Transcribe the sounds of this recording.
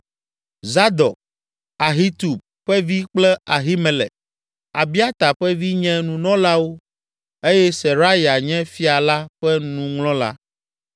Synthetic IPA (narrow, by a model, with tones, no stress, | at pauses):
za˦d̪ɔ˨k̚ | a˨ɦi˦t̪u˨b̚ | ɸɛ˦vi˦k͡plɛ˦a˨ɦi˦mɛ̃˨lɛ̰˨ | a˨bi˦a˦t̪a˨ɸɛ˦vi˦ɲɛ̃˦nũ˨nɔ̃˦la˦wo˦ | e˦jɛ˦sɛ˨ɾa˦ja˨ɲɛ̃˦fi˦a˨la˦ɸɛ˦nũ˨ŋlɔ̃˦la̰˦